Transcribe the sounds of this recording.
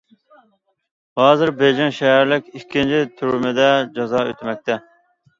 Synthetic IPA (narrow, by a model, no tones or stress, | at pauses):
hɑːzɪɾbed͡ʒɪŋʃɛɦæɾlɪkʲikʲʰːint͡ʃʰit̪ʰyɾmɪd̪ɛd͡ʒɑzɑːø̰t̪ʰmɛk̚ʲt̪ʰɛ